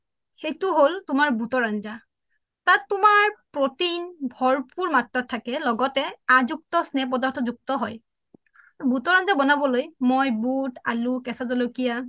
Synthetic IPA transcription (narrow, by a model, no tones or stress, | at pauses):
xejtʊɦoltʊmaɹbutɔɹanza | tatːʊmaɹpɹotinbʱɔɹpuɹmatɹatʰːakɛlɔɡɔtɛazuk̚tɔsnɛp̬ɔdaɹtʰɔzuk̚tɔɦɔj | abutɔɹanzabɔnabɔlojmojbuta̰lukɛsazɔlokija